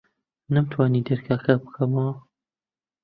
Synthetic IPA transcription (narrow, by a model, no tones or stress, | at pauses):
nɐmt̪ʰwaːnid̪ɐɾkʰaːkʰabɨ̥kʰɐmɐwɐ